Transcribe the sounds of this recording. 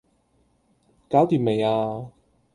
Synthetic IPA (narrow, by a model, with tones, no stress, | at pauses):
kaː˨˥wt̪iː˨˧mme˨jaː˧